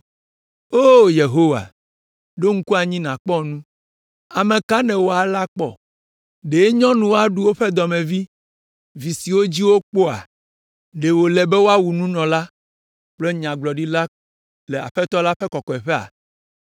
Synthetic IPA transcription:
o˦je˨ɦo˦wa̰˨ | ɖo˦ŋ̩˦ku˦a˨ɲĩ˦nã˨k͡pɔ˦nũ˦ | a˨mɛ̃˨ka˦nɛ̃˨wo˦a˨la˦k͡pɔ̰˦ | ɖe˨e˦ɲɔ̃˦nũ˨wo˦a˨ɖu˦wo˦ɸɛ˦d̪ɔ˨mɛ̃˨vi˦ | vi˨si˨wo˦d͡ʑi˦wo˦k͡po˦a̰˨ | ɖe˨wo˨lɛ˨bɛ˦wo˦a˦wu˨nũ˦nɔ̃˨la˦ | k͡ple˦ɲã˨ɡ͡blɔ˨ɖi˦la˦ | lɛ˨a̰˨ɸɛ˦t̪ɔ˦la˦ɸɛ˦kɔ˨kɔ˨ɛ˨ɸɛ˦a̰˨

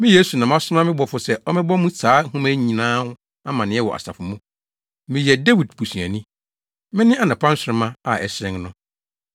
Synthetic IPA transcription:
mɪ̃˦je˦su˨nã˨m˦ã˦sʊ˦ã˦mɪ̃˦bɔ˨fʊ˨sɛ˦ʔɔ˦mɪ̃˦bɔ˦mũ˦sʰaː˨˦hũ˦mæ̃˦ɲĩ˨nãː˦hʊ̃˦ | a˦mã˨nɪ̃˨˦ɛ˦wɔ̰˨ʔa̰˨sa̰˨fʊ˨mũ˦ | mɪ̃˨jɛ˨de˦wi˨dbʰu˨sũ˨æ˨nĩ˦ | mɪ̃˦nɪ̃˦a˨nɪ̃˨pʰã˦n̩˦sɾɪ̃˦mã˦a˨ʔɛ˨sɾɪ̃˦ŋnʊ̃˦

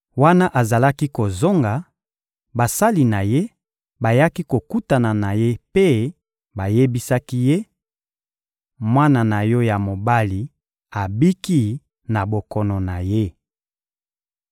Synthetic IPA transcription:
wa˦na˦ʔa˨za˨la˦ki˦ko˨zo˦ŋɡa˨ | ba˨sa˦li˨na˨je˦ | ba˨ja˦ki˦ko˨ku˦ta˨na˨na˨je˦pe˦ | ba˨je˦bi˦sa˦ki˦je˦ | mwa˦na˨na˨jɔ˦ja˨mo˨ba˦li˨ | a˨bi˦ki˦ | na˨bo˨kɔ˨nɔ˨na˨je˦

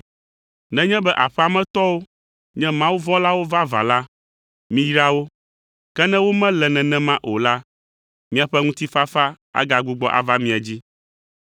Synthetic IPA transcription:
nɛ̃˦ɲɛ̃˦bɛ˦ʔa˨ɸɛ˦a˨mɛ̃˦t̪ɔ˦wo˦ | ɲɛ̃˦mã˦wu˦vɔ̃˦la˦wo˦va˦va̰˨la˦ | mĩ˦jɾa˦wo˦ | kɛ˦nɛ̃˦wo˦mɛ̃˦lɛ˨nɛ̃˨nɛ̃˦mã˦ʔo˨la˦ | mĩ˦a˨ɸɛ˦ŋũ˦t̪i˦fa˦fa˦ | a̰˦ɡa˨ɡu˦ɡ͡bɔ˦ʔa̰˨va˦mĩ˨a˨d͡ʑi˦

